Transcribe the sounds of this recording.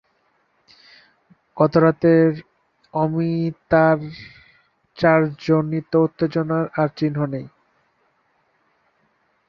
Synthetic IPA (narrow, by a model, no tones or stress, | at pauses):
ɡ̥ɔt̪oɾat̪eɾ | ɔmit̪aɾ | t͡ɕaɾd͡ʑonːit̪ːout̪ːed͡ʑonaɾaɾt͡ɕinɦonej